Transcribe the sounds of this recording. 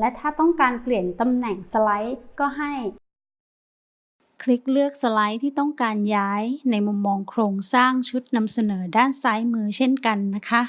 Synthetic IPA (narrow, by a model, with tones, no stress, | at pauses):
lɛ˦˥t̪ʰaː˥˩t̪ɔ˥˩ŋkaː˧npli˨˩ənt̪a˧mnɛ˨˩ŋsa˧la˦˥jkɔː˥˩ɦa˥˩j | kʰɾi˦˥k̚lɯ˥˩ək̚sa˧la˦˥jt̪ʰiː˥˩t̪ɔ˥˩ŋkaː˧njaː˦˥jna˧jmu˧mːɔː˧ŋkʰɾoː˧ŋsaː˥˩ŋt͡ɕʰu˦˥t̪̚na˧msa˧nɤː˩˦daː˥˩nsaː˦˥jmɯː˧t͡ɕʰe˥˩nka˧nːa˦˥kʰa˦˥ʔ